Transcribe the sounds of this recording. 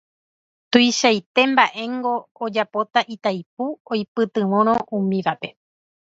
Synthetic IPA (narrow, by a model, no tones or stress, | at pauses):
t̪ujʃajt̪e̞mbaʔe̞ŋɡo̞ːd͡ʒapo̞t̪aʔit̪ajp̚uojpɨt̪ɨ̃mõɾ̃õ̞ʔũmĩʋape̞